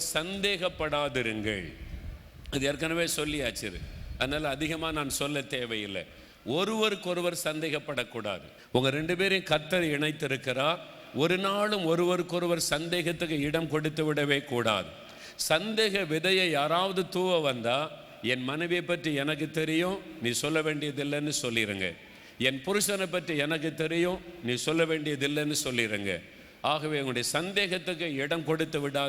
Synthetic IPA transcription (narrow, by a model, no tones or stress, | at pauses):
sɐnd̪eːɣɐpːɐɽaːðɪɾɯŋɡɐ̰ɭ | ɐðɯɛɾkːɐnɐʋeːsɔlːɪaːt͡ʃːɪɾɯ̰ɐðɐnaːlɐːðɪɣɐmaːnaːnsɔlːɐt̪eːʋɐjɪlːɐ̰ | ɔɾɯʋɐɾɯkːɔɾɯʋɐɾsɐnd̪eːɣɐpːɐɽɐkːuːɽa̰ːðɯ̰ | ʊŋɡɐɾɛɳɖɯpeːɾɪkɐɾt̪ːɐɾɪɳɐɪt̪ːɪɾɯkːɪɾaːɾ | ɔɾɯnaːlɯmɔɾɯʋɐɾɯkːɔɾɯʋɐɾsɐnd̪eːɣɐt̪ːɯkːɯɪɽɐmkɔɽɯt̪ːɯʋɪɽɐʋeːkuːɽa̰ːðɯ | sɐnd̪eːɣɐʋɪðɐjɐjaːɾaːʋɐðɯt̪uːʋɐʋɐnd̪aː | ɛnmɐnɐʋɪjɐɪpːɐʈriɛnɐk̬ːɯt̪ːɛɾɪjõːniːsɔlːɐʋeːɳɖɪjɐðɪlːɛnːɯsɔlːɪɾɯ̰ŋɡɐ̰ | ɛnpʊɾɯsɐnɐɪp̬ːɐʈriɛnɐk̬ːɯt̪ːɛɾɪjõniːsɔlːɐʋeːɳɖɪjɐðɪlːɛnːɯsɔlːɪɾɯŋɡɐ̰ | aːɣɐʋeːʊŋɡʊɽɐjɐsɐnd̪eːɣɐt̪ːɯkːɯɪɽɐmkɔɽɯt̪ːɯʋɪɽaː